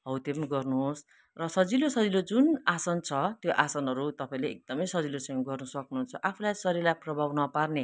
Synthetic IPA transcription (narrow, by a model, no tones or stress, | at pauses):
ɦʌwt̪ebnɡʌrnuɦos | rʌsʌd͡zilosʌd͡zilod͡zunasʌnt͡sʰʌt̪joʔasʌnɦʌɾut̪ʌpaĩleːk̚d̪ʌmʌjsʌd͡zilosʌ̃ŋɡʌrnʌsʌknuɦunt͡sʰʌʔapʰulajsʌɾilaprʌbʱawnʌparne